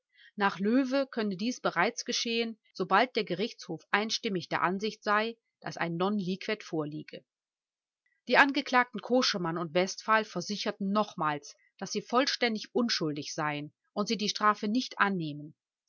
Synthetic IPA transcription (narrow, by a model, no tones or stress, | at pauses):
naːχløːvəkʰœntədiːsb̥əʁaɪt͡sɡ̥əʃeːən | z̥obalt̚d̥eːɐɡəʁɪçt͡shoːfʔaɪnʃtɪmɪçd̥eːɐʔanzɪçtz̥aɪ | d̥a̰sa̰ɪnːɔnliːkv̥ɛtfoːɐliːɡə̰ | d̥iːʔanɡəkl̥aːk̚tn̩kʰoːʃəmanʊntv̥ɛstfaːlfɛɐzɪçɐtn̩nɔχmaːls | d̥asz̥iːfɔlʃtɛndɪçʔʊnʃʊldɪçz̥aɪən | ʔʊntz̥iːdiːʃtʁ̥aːfənɪçtʔanːeːmən